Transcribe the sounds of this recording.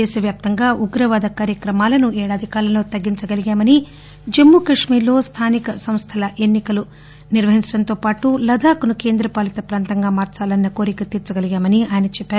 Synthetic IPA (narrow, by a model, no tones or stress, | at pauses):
ɛːsɐʋjaːp̚t̪ɐŋɡaːʔuɡɾɐʋaːd̪ɐkaːɾjɐkɾɐmaːlɐnuɛːɽaːd̪ʱikaːɾɐlo̞ːt̪ɐɡːiɲt͡ʃɐɡɐliɡaːmɐni | d͡ʒɐmːuːkɐʂmiːɾlo̞ːst̪ʰaːnikɐsɐmst̪ʰɐlɐʔe̞nːikɐlu | niɾʋɐɦiɲt͡ʃɐɽɐnt̪o̞ːpaːʈulɐd̪ʱaːkunuke̞ːnd̪ɾɐpaːlɐt̪ɐpɾaːnt̪ɐŋɡaːmaːɾt͡ʃaːlɐnːɐko̞ːɾikɐt̪iːɾt͡ʃɐɡɐliɡaːmɐniaːjɐnɐt͡ʃɛpːaːɾu